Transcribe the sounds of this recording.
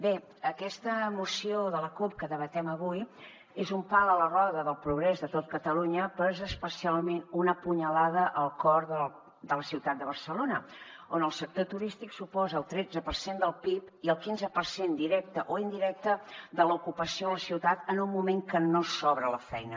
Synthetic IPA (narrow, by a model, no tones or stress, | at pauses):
be | əkɛst̪əmusioðələkup̚kəðəβət̪ɛməβuj | ezumpalələrɔðəðəlˠpɾuɣ̞ɾɛzðət̪ot̪̚kət̪əluɲəpəzəːspəsialˠmenunəpuɲəlaðəʔəlˠkɔɾðə | d̪ələsiwt̪at̪̚d̪əβəɾsəlonə | onəlˠsək̚t̪ot̪uɾist̪iksupɔzəːlˠt̪ɾɛd͡zəpəɾsend̪əlˠpip | iəlˠkinzəpəɾsend̪iɾɛk̚t̪əʔoind̪iɾɛk̚t̪əd̪əlukupəsioələsiwt̪at̪ənunmumeŋkənosɔβɾələfɛjnə